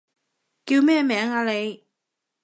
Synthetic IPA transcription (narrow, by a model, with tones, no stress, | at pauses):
ki˧wmɛː˥˧˨mɛː˨˥ŋaː˨˧le˨˧j